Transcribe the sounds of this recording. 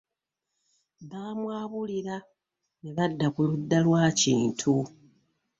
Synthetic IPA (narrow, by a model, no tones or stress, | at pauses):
βaːmwaːβuliɾa | neβadːakulud̪ːalwaːciːntʰu